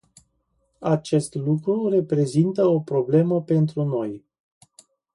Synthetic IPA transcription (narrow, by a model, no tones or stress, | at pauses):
at͡ʃe̞st̪lukɾure̞pɾe̞zint̪əo̞pɾo̞ble̞məpe̞nt̪ɾuno̞j